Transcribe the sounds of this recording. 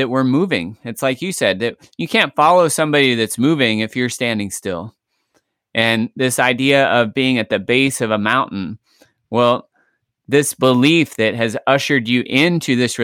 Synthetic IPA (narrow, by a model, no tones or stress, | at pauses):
ɨt̚wə˞muvɪ̰̃ŋɨtslaɪkjɨsɛd̪̚ðɨt̚ | jɨkʰæ̃ntfɑlˠoʊsʌ̃mbɑɾiðɨtsmuvɪ̃ŋɨfjə˞stæ̃ndɪ̃ŋstɪ̰lˠ | ʔɨ̃nðɪsaɪdiɨʔʌvbiɪ̃ŋɨt̪̚ðɨbeɪsʌvəmãʊ̃nn̩ | wɛlˠ | ðɪsb̥əlifðɨt̚ɦɨzʌʃə˞d͡ʒɨʔɪ̃ntʰʉðɪsɹɨ